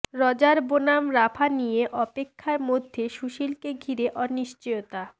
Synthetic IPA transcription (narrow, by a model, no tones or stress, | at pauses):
ɾɔd͡ʑaɾbonamɾafʰanijeʔɔpekʰːaɾmod̪ʱːeʃuʃilkeɡʱiɾeʔɔniʃt͡ɕojot̪a